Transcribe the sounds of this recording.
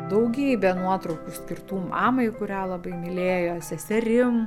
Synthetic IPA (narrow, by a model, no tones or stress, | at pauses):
d̪ɐʊɡʲiːbʲenuɔt̪ɾɐʊkuːsʲkʲɪɾt̪uːmɑːmɐɪkʊɾʲæːlˠɐbɐɪmʲɪlʲeːjoːsʲɛsʲɛɾʲɪm